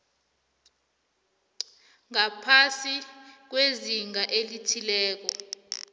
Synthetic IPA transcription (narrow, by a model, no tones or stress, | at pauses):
ŋapʰasik̬weziŋaʔelitʰilɛːk̬ɔ